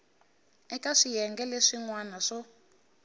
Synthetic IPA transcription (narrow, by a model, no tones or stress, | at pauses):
ɛkaʂijɛŋɡɛleʂiŋwanaʂɔ